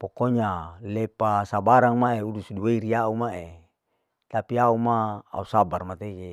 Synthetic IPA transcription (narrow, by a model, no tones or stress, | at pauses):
pokoɲalepasabaɾaŋmaeulusudiweiɾiaumae | t̪apiaumaa̰usabarmat̪eke